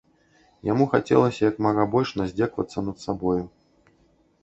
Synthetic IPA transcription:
jamuxat͡sʲɛ̰lˠɐsʲɐjɐkmaɣabɔlʲʂnazʲd͡zʲɛkvɐ̰t̪sːɐnɐt̪sabɔju

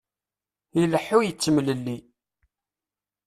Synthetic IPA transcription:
iləħːujət͡sːəmələlːi

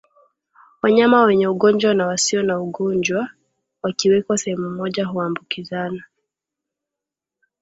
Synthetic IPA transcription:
waɲamawɛɲɛuɠɔɲd͡ʒwanawasiɔnauɠɔɲd͡ʒwa | wakiwɛkwasɛhɛmumɔʄaɦuambukizana

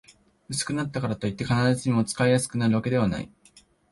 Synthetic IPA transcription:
ɯ̟sɨ̥kɯ̟nat̪ːakaɾat̪o̞it̪ːe̞kanaɾazɨɲ̟imo̞t͡sɨ̥kaijasɨ̥kɯ̟naɾɯ̟βake̞d̪e̞β̞ana̰ḭ

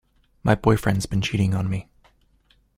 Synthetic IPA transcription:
maɪbɔɪfɹɛ̃ndzbɨ̃nt͡ʃʰiɾɪ̃ŋə̃nmi

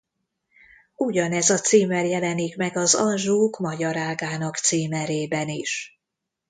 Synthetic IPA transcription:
uɟɒnɛzɒt̪siːmɛrjɛlɛnikmɛɡɒzɒnʒuːkmɒɟɒɾaːɡaːnɒkt̪siːmɛɾeːbɛniʃ

